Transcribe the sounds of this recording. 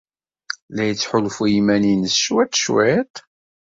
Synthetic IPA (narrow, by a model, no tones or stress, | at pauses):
læjət͡sːħʊlfujimæninəsʃwæt̪ːʃwit̪ˤ